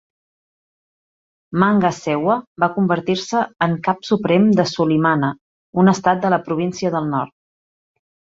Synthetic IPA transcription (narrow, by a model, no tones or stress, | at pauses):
maŋɡəsɛwəbakumbəɾt̪iɾsəːŋkapsupɾɛmd̪əsulimanə | unəst̪at̪̚d̪ələpɾuβ̞insiəðəlˠnɔɾt̪̚